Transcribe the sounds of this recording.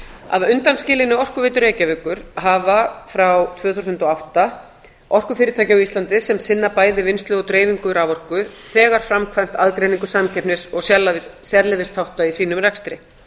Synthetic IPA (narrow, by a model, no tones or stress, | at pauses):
a̰ðʏnt̪anscɪːlɪnɪɔr̥kʏveːjt̪ʏɾeːjcavʏkʏɾ̥ɦavafɾawt̪ʰvœːθusʏnt̪ɔawht̪a | ɔr̥kʏfɪːɾɪt̪ʰaːjcaɔist̪ant̪ɪsɛmsɪnːapaːjðɪvɪnst̪lœɣɔt̪ɾeːjviŋkʏɾavɔr̥kʏðθɛːɣaɾ̥fɾamkʰvajm̥t̪aðkɾeːjniŋkʏsamcʰɛhpnɪsɔɣsjɛlasjɛɾlɪvɪst̪θawht̪aisiːnʏmrɛkst̪ɾɪ